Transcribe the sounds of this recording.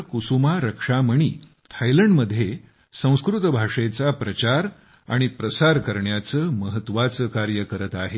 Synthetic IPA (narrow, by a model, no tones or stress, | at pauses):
kusumaɾəkʂaməɳ̃ḭː | t̪ʰajləɳɖməd̪ʱːje | sə̃w̃skɾut̪bʱaʂet͡sapɾət͡ɕaɾ | a̰ɽ̃ipɾəsaɾkəɾɳjat͡səːməɦət̪ʋat͡səkaɾjəkəɾət̪aɦe